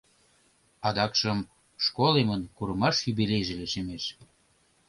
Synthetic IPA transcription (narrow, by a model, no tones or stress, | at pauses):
ɑd̪ɑkʃəm | ʃkolemənkuɾəmɑʃyβelejʒeleʃemeʃ